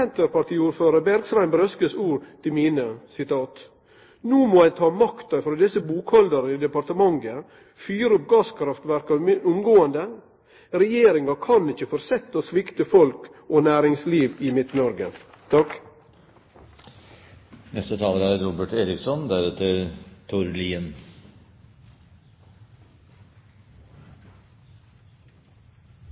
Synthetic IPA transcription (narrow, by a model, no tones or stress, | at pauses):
ɛnt̪əɾpɑʈ̪ʰiːuːɾføːɾəbæɾɡsʋæɪnbɾœskəsuːɾt̪ʰɪlmiːnəsɪt̪ʰɑːt̪ | nuːmoːæɪt̪ʰɑːmɑkt̪ɑfɾoːd̪ɛsəbuːkhɔld̪əɾəɪd̪ɛpɑɾt̪əmɑŋɡə | fyːɾəʊp̚ɡɑːskʰɾɑft̪ʋæɾkɑʊmɡoːənd̪ə | ɾɛjeːɾɪŋɑkʰɑnɪçːəfɔɾsɛt̪ːosʋɪkt̪əfɔlk | oːnæːɾɪŋsliːʋɪːmɪt̪nɔɾɡət̪ʰɑk | nɛst̪ət̪ʰɑːləɾæɾɾɔbəʈeːɾɪksɔnd̪æɾɛt̪ʰːəɾt̪ʰʊɾliːən